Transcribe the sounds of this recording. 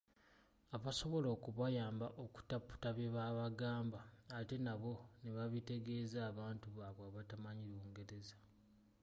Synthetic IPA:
aβaso̞βo̞lo̞ːkuβajaːmbaʔoku̥tapːu̥taβeβaβaɡaːmbaːte̞naβo̞neβaβite̞ɡe̞ːzaːβaːntuβaβwaːβatamaɲiɾuːŋɡe̞ɾe̞za

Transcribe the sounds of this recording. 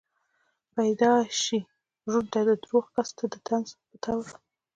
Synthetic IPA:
pajd̪ɑʃi | ʒunt̪ad̪əd̪ɾoɣkast̪ad̪ət̪anzpət̪ʰaw

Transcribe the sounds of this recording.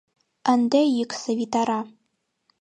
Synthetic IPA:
ɐndɐjɪkʼsɐvitʰaɾa

